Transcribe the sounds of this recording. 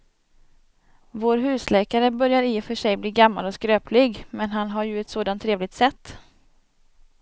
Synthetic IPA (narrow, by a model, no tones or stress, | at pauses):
voːɾɦʉ̟ːslɛːkaɾəbœɾjaɾɪfœʂɛjbliːɡamːa̰lɔskɾøːplɪɡmɛnɦanɦaɾjɵɛt̪soːd̪ant̪ʰːɾeːvlɪk̚t̪sɛt̪ː